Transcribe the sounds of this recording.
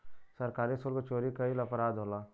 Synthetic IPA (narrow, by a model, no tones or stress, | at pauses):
sɐɾkaːɾisolkot͡ʃoːɾikəilɐpɾaːd̪ʱoːlaː